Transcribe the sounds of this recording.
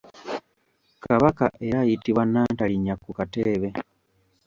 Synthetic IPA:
kaβaka̰ʔeɾajitiβwanːaːntaliɲakːukateːβe̞

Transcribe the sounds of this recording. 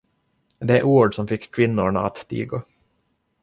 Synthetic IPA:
d̪ɛɛʔuːɖsɔmfɪkːʰvɪnːʊɳa̰at̪ːḭːɡo

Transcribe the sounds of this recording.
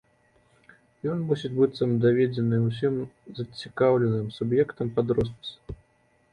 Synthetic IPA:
jɔnmusʲit͡sʲbɨsamd̪avʲed͡zʲɪnɨusʲimzɐt͡sʲikawlʲɛnɨmsubjɛkt̪ɐmpad̪ɾɔst̪s

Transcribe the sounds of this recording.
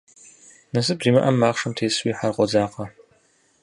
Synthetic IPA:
nɐsɨbziːmɐʔɐmːaːχʂɐmtʰeːswiːħarqʷɔzaːqɐ

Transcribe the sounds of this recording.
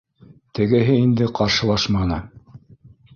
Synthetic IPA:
t̪ɘ̆ɡɘ̆ɦɘind̪ɘqɑɾʃɤ̆lˠɑʃmɑnɤ

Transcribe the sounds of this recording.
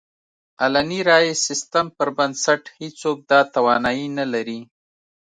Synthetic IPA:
alaniɾɑjesɪst̪ampəɾbansaʈhet͡sok̚d̪ɑt̪awɑnɑjinalaɾi

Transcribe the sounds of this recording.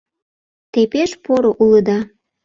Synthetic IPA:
t̪epeʃpoɾoʔuləd̪ɑ

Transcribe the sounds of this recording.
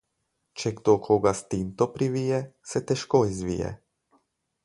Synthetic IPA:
t͡ʃɛɡd̪okʰoːɡast̪int̪ɔpɾiʋiːjɛsɛt̪ɛʃkoizʋḭːjɛ̰

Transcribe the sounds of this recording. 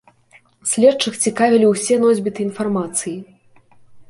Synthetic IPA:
sʲlʲɛtt͡ʂɨxt͡sʲikavʲilʲiwsʲɛnɔzʲbʲit̪ɨinfarmat̪sɨji

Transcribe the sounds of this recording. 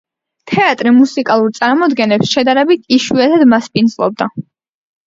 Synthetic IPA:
t̪ʰɛat̪ʼɾimusikʼalˠuɾt̪sʼaɾmɔd̪ɡɛnɛpsʃɛd̪aɾɛbit̪ʰiʃwiɛt̪ʰad̪maspʼind̪zlˠɔ̰b̚d̪a

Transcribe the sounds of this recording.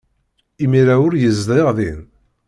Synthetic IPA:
imiɾæʊɾjəzd̪eʁðin

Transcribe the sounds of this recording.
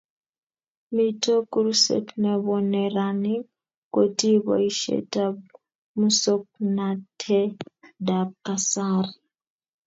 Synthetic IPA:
mitokuɾusḛtneβoneɾani | kotiβo̰iʃḛtab | musok̚natʰedakasaɾi

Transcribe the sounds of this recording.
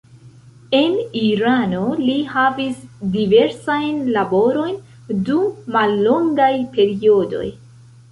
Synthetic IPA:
e̞niɾano̞lihavisdive̞ɾsajnlabo̞ɾo̞jn | dummalːo̞ŋɡajpe̞ɾio̞do̞̰j

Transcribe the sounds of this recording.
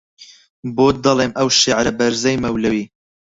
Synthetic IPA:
boːd̪ɐlˠeːmʔɐwʃeʕɾɐbɐɾzɛjmɐwlɐwiː

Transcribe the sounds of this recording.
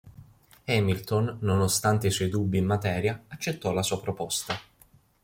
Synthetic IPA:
ɛmilt̪onːonost̪ant̪eiswɔjd̪ubːiːmːat̪ɛːɾjaat͡ʃːet̪ːɔlasuːapɾopɔst̪a

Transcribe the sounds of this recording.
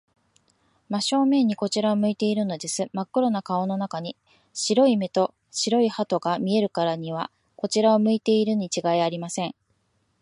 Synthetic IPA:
maɕo̞ːmẽ̞ɲ̟iko̞t͡ɕiɾaomɯ̟it̪e̞iɾɯ̟no̞d̪e̞sɨmakːɯɾo̞nakao̞no̞nakaɲ̟i | ɕiɾo̞ime̞t̪o̞ | ɕiɾo̞ihat̪o̞ɡamʲie̞ɾɯ̟kaɾaɲ̟iβ̞a̰ | ko̞t͡ɕiɾao̞mɯ̟it̪e̞iɾɯ̟ɲ̟it͡ɕiɡaiaɾʲimasẽ̞ŋ

